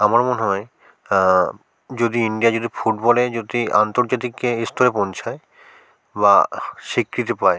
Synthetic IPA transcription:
amaɾmoneɦɔe | d͡ʑod̪iiɳɖijad͡ʑod̪ʱifuʈbɔled͡ʑod̪ia̰nt̪oɾd͡ʑat̪̬ikːeest̪ʰoɾepont͡ɕʰae | baʃikɾit̪̬epae

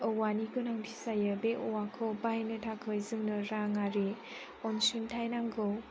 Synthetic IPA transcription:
ɔwanikɯnaŋpʰisajɯbeʔɔwakʰɔbajnɯtʰakʰɯjzɯŋnɯɾaŋaɾi | ɔnsuntʰajnaŋɡɯw

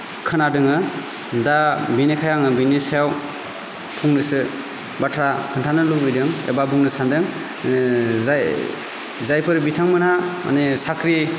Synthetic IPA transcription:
kʰɯnadɯŋɯ | dabinekʰajaŋɯbinesajaw | pʰuŋnɯsɯ | batʰɾakʰɯntʰanɯlubijdɯŋḛbabuŋnɯsandɯŋ | zajpʰɯɾbitʰaŋmɯnama̰nesakʰɾi

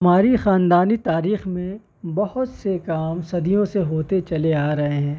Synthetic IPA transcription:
ɐmaːɾixaːnd̪aːnit̪aːɾiːxmẽ | bɐhʊt̪sekaːmsɐd̪ijõseɦoːt̪et͡ʃɐleaːɾɐɦeɦɛ̃ː

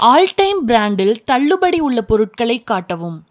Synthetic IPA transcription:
ʔaːlʈɐɪmbɾaːɳɖɪlt̪ɐɭːɯbɐɽiʊɭːɐpɔɾɯʈ̚kɐɭɐɪkːaːʈːɐʋɯm

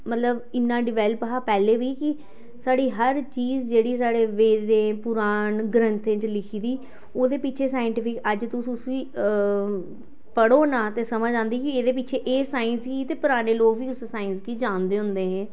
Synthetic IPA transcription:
mət̪ləbɪnːãːɖɪʋɛːlpəɦaːpɛːleːʋiːkɪ | saːɽiːɦəɾt͡ʃiːzd͡ʒeːɽiːsaːɽeːʋeːdẽːpʊɾaːnɡɾənt̪ẽːt͡ʃlɪkʰiːd̪iː | oːd̪eːpɪːt͡ʃʰeːsaːɪəɳʈɪpʰɪkəd͡ʒt̪ʊsũsʋiː | pəɽoːnaːt̪eːsəmaːd͡ʒãːnd̪iːkɪeːd̪eːpɪːt͡ʃʰeːʔeːsaːɪnskiːt̪eːpʊɾaːneːloːkʋiːʊsesaːɪnskiːd͡ʒãːnd̪eːɦʊ̃nd̪eːɦɛ̃ː

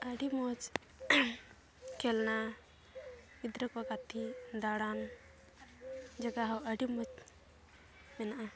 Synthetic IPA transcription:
əɖimɔt͡ʃ | kʰɛlna | id̪ɾəkɔkat̪ʰid̪aɽan | d͡ʒəɡaɦawəɽimɔt͡ʃ | mɛnaʔa

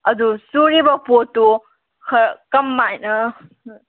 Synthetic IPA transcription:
ɐdusuɾibɐpotu | kʰɐkɐmːajnɐ

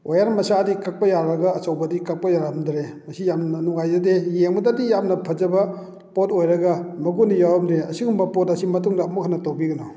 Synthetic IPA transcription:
ojaɾmɐsadikak̚pɐjaɾɐɡɐːsawbɐdikak̚pɐjaɾandɾemɐsijamnɐnuŋajzɐdejeŋmɐdadijamnɐpʰɐzɐbɐ | potojɾɐɡɐmɐɡunijawɐmneɐsiŋumbɐpotɐsimɐtuŋdɐːmukʰanːɐtowbiɡɐnɔ

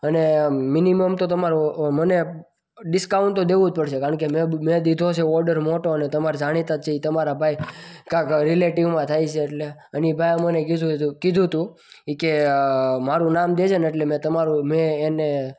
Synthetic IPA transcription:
əneminiməmt̪ot̪əmaɾoməne | ɖɪskauɳʈt̪ːod̪eʋũd͡ʒ̚pəɽʃekaɾəɳkemẽmẽd̪id̪ʱot͡ʃʰeɔɾɖəɾmoʈoənet̪əmaɾd͡ʒaɽ̃it̪at̪t͡ʃʰeit̪əmaɾabʱajkãkɾileʈiʋmãt̪ʰajt͡ʃʰeːʈleənibʱajmənekiukɪd̪ʱũt̪ũ | ikemaɾũnamd̪ed͡ʒʰəneʈlemẽt̪əmaɾumẽːne

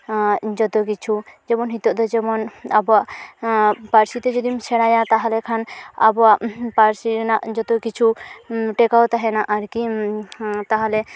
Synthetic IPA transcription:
d͡ʒɔt̪ɔk̬it͡ʃʰud͡ʒɛmɔnɦit̪ɔʔd̪ɔd͡ʒɛmɔna̰bɔaʔ | paɾsit̪ɛd͡ʒɔd̪imt͡ʃʰɛɽ̃ajat̪aɦalɛkʰana̰bɔaʔpaɾsinaʔd͡ʒɔt̪ɔkit͡ʃʰuʈɛkawt̪aɦɛnaʔaɾki | t̪aɦalɛ

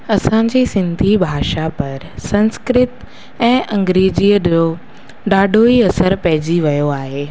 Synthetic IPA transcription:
ɐsãd͡ʑiːsɪ̃nd̪ʱibʱaːʃapɐɾsɐ̃nskɾɪt̪ | ɛ̃ːʔɐ̃ŋɡɾeːd͡ʑiːəɗoː | ɗaːɖʱoiɐsəɾpɐɦɪd͡ʑiʋɐjoaːɦeː

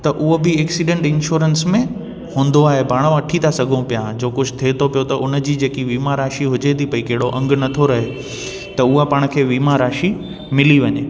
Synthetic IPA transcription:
t̪ɐʔʊɦobɪɛːksiɖẽɳʈɪ̃nʃuːɾənsmẽ | hũːn̆d̪oaːɦebʱaːɽ̃ʋãʈʰit̪ʰasɐɡʱũpijad͡ʑoːkʊd͡ʑʱʊt̪ʰeːt̪ʰopijot̪ɐʔʊn̆d͡ʑiːd͡ʑeːkiʋiːmaɾaːʃiɦʊd͡ʑet̪ʰipɐikɐɦɪɽoʔɐ̃ŋɡʱnɐt̪ʰoɾɐɦe | t̪ɐʊɦapaːɽ̃kʰeːʋiːmaɾaːʃi | mɪliʋɐɲeː

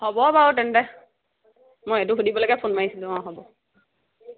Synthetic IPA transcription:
hɔbɔbaotɛndɛ | mojetuɦudibɔloɡɛpʰonmaɦisilũɔ̃ɦɔbɔ

